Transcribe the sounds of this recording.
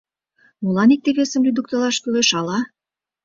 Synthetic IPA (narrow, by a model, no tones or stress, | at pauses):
mulɑnik̚t̪eβesəmlʲyd̪ukt̪ə̆lɑʃkyleʃɑlɑ